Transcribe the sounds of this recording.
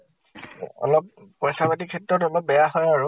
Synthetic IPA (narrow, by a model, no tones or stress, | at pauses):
ɔ̰lɔp̚pɔjsabatikʰɛtɹɔtɔlɔp̚bɛjaɦɔjaɹʊ